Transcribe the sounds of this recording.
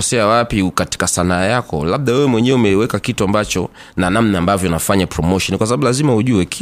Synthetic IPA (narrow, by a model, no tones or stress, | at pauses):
ɔsɛawapikati̥kasanaːjakɔ̰laɓ̚ɗawɛwɛmwɛɲɛɛumɛwɛkakituambat͡ʃɔ̰ | nanamnaːmbavjɔnafaɲapɾɔmɔʃɔnkwasabaɓulazimauʄuɛk